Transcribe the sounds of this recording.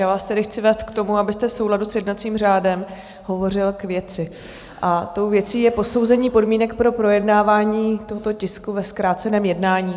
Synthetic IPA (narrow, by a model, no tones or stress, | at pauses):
jaːvaːst̪ɛdɪxt͡sɪvɛːst̪̚kt̪o̞muabɪst̪ɛfso̞wladusjɛdnat͡siːmr̝aːdɛm | ɦo̞vo̞r̝ɪlkvjɛt͡sɪ | ʔat̪o̞wvjɛt͡siːjɛpo̞so̞wzɛɲiːpo̞dmiːnɛkpɾo̞pɾo̞jɛdnaːvaːɲiːt̪oɦot̪o̞cɪskuvɛskɾaːt͡sɛnɛːmjɛdnaːɲiː